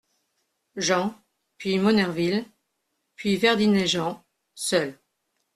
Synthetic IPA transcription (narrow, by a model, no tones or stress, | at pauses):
ʒɑ̃ | pɥimɔnɛʁvil | pɥivɛʁd̪inɛʒɑ̃ | sœl